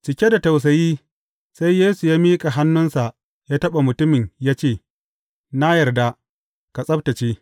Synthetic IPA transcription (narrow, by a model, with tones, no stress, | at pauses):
t͡ʃɪ˨kʲe˦da˨ta˨ws̬ɐ˨jiː˦ | sa˦jjeː˦su˨jaː˦miː˦kʼa˨ɦa˦nːʊ˦nsa˨ʔ | jaː˦tɐ˦ɓa˨mʊ˨tʊ˦mɪ˨ɲjaː˦t͡ʃeː˦˨ | na˦jɐ˨rda˦ | ka˨sʼɐ˦b̚ta˨t͡ʃeː˦